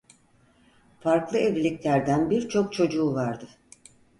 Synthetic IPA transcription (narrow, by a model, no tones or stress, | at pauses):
faɾklˠɯevlʲiclʲæɾd̪ænbiɾt͡ʃʰo̞k̚t͡ʃʰo̞d͡ʒuːvaɾd̪ɯ